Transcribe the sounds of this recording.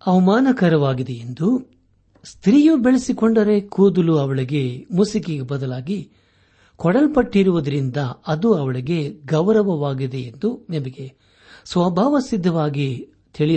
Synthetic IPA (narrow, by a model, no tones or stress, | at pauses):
ɐʋɐmaːnɐkɐɾɐʋaːɡid̪ejend̪u | st̪ɾiːjubeɭesikoɳɖɐɾe̞kuːd̪uluɐʋɐɭiɡe̞musikiɡebɐd̪ɐlaːɡi | kɔɽɐlpɐʈːiɾuʋud̪ɐɾind̪ɐɐd̪uɐʋɐɭɐɡe̞ɡɐʋɾɐʋɐʋaːɡid̪e̞jend̪unɛmɐɡe̞ | sʋɐbʱaːʋɐsid̪ʱːɐʋaːɡi | t̪ʰiɭi